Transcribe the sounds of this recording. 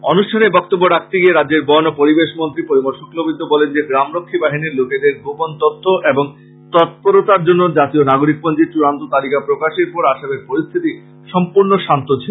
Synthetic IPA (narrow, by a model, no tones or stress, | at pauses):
ɔnuʃʈʰanebɔk̚t̪obːoɾak̚t̪eɡieɾadːeɾbɔnopoɾibeʃmont̪ɾipoɾimoɾʃoklobid̪ʱːobɔlend͡ʑeɡɾamɾokʰːibaɦiniɾloked̪eɾɡopont̪ot̪ʰːoʔeboŋ | t̪ɔt̪̚poɾot̪aɾd͡ʑonːod͡ʑat̪ionaɡoɾik̚pond͡ʑeɾt͡ɕuɾant̪ot̪alikapɾokaʃeɾpɔɾaʃabeɾpoɾist̪ʰit̪i | ʃɔmpuɾnoʃant̪ot͡ɕʰe